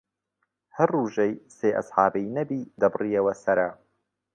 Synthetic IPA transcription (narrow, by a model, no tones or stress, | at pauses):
hɐrːuːʒejseːʔɐ̰sħɑːbijnɐbiːd̪ɐbɨrijɐwɐsɐɾɐ